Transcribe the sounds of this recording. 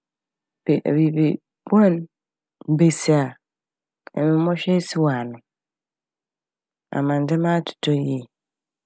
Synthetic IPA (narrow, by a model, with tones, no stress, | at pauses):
b̥e˨ʔbi˨bi˨ | ba˦n̩˦ | be˨si˨a˨ | ɛ̰˨mɪ̃˨˦mɔ˦ɕᶣɛ˦sɪ˦wa˨nʊ̃˨ | a̰˨mã˨n˨dɪ˦mã˦tʰʊ̥˨tʰɔ˦je˦˨